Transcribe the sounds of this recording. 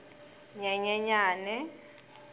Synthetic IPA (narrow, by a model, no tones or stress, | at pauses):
ɲɛɲɛɲaːnɛ